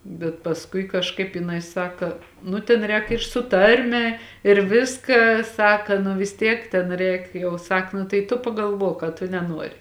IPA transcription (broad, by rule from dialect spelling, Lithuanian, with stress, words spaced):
bʲɛt pɐsˈkʊɪ kɐʃˈkɐɪp jɪˈnɐɪ ˈsɑːkɐ ˈnʊ tʲeːn ˈrʲɛːk ɪr sʊ ˈtɐrʲmʲɛ ɪr ˈʋʲɪskɐ ˈsɑːkɐ nʊ ʋʲɪs ˈtʲiɛk tʲɛn ˈrʲɛɪk jɛʊ ˈsɐk nʊ tɐɪ ˈtʊ pɐɡɐlˠˈʋuɔk ɐ tʊ nʲɛˈnuɔrʲɪ